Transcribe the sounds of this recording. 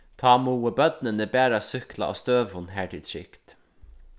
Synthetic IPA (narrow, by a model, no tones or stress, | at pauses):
t̪ʰɑːmuːəbœt̪̚nənəbæːɾasʏkla̰ʔɔ̰st̪øːʋhʊnːɦæːt̪ʰɪlt̪ʰɹɪ̰kt̪